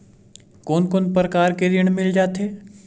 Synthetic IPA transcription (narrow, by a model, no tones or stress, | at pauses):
koːnkoːnpɾkaːɾkeɾɪɽ̃mɪld͡ʒaːt̪ɦeː